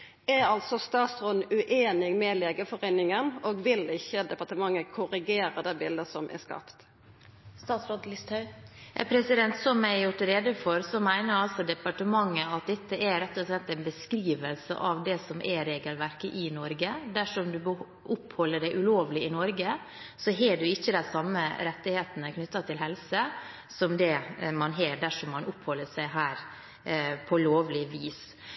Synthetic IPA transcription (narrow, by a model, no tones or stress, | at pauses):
ɛɾɑlt̪sɔst̪ɑːt̪sʁɔnʉʔeːnɪɡmɛleːɡəfɔɾeːnɪŋənoːɡʋɪlɪçːəd̪ɛpɑʈəmɑŋːəkʰʊɾɪɡeːɾəd̪æɪbɪld̪əsɔmʔɛ̰skɑ̰pt̪ | st̪ɑːt̪sɾoːd̪lɪst̪hɑʉɛpʰɾɛsɪd̪ɛnt̪sɔmæɪjʊʈɾeːd̪əfɔɾsɔmæɪnəɾɑlsɔd̪ɛpɑʈəmɑŋːəɑt̪̚d̪ɛt̪ːəɛɾɛt̪ːɔslɛt̪ːæɪnbəskɾiːʋəlsə̰ʔɑʋd̪ɛsɔmʔɛɾeːɡəlʋæɾkəʔɪnɔɾɡəd̪æʂɔmd̪ʉbə | ʔʊphɔlːəɖæɪʔʉloːʋlɪɪnɔɾɡə | sɔɦɛɖʉɪçːəd̪æsɑmːəɾɛt̪ːɪheːt̪ənəkʰnʏt̪ːɑt̪ʰɪlɦɛlsə | sɔmd̪ɛmɑnɦeːɖæʂɔmɑnʔʊphɔlːəʂæɪɦæːɾ | pʰɔloːʋlɪʋiːs